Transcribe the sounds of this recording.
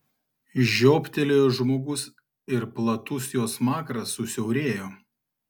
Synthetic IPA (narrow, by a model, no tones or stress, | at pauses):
ʒʲoːpʲt̪ʲɛlʲeːjoʒmoːɡʊs | ɪɾplˠɐt̪ʊsjoːsmɑːkɾɐsʊsʲɛʊɾʲeːjoː